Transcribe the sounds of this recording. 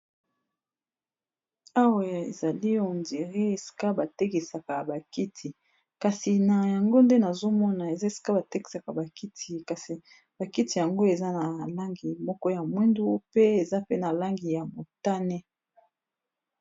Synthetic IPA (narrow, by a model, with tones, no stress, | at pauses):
a˦wa˨ḛ˨za˨li˦o˨ndi˨ʁi˦e˨si̥˨ka˦ba˨te˦ki˨sa˨ka˨ba˨ki˦tʰi˨ | ka˨si˨na˨ja˨ŋɡo˦nde˦na˨zo˦mɔ˦na˨e˨za˦e˨si̥˨ka˦ba˨tɛ˦ki̥˨sa˨ka˨ba˨ki˦tʰi˨ka˨si˨ | b̥a˨ki˦ti˨ja˨ŋɡo˦e˨za˦na˨la˦ŋɡi˨mɔ˦kɔ˦ja˨mwi˦ndu˦pe˦e˨za˦pe˦na˨la˦ŋɡi˨ja˨mo˨ta˦nɛ˦